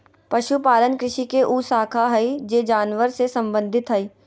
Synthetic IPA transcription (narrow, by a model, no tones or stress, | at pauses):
pɐʃupaːlənkɾɪʃikeʔuːsaːkʰaɦɐid͡ʒeːd͡ʒaːnʋəɾsesɐ̃mbə̃nd̪ʱɪt̪ɦɐi